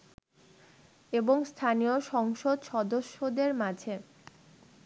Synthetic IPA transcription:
eboŋst̪ʰanijoʃɔŋʃod̪ʃɔd̪oʃːod̪eɾmad͡ʑʱe

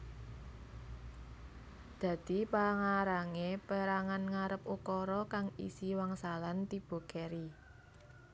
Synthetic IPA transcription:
d̪̥ä̤d̪̥i̤paŋaɾaŋepəɾaŋanŋaɾəpukɔɾɔkaŋḭsiwaŋsalant̪ib̥o̤kɛɾi

